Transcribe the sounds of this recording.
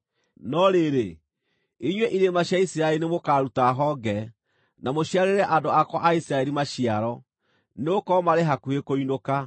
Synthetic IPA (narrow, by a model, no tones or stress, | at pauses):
nɔɾeɾe | iɲweʔiɾemaɕjaisiɾaɛlinemokaːɾutaɦɔɡɛ | namoɕiaɾeɾɛʔandoakwaʔaisiɾaɛɾimaɕiaɾɔ | neokɔmaɾeɦakuekoinoka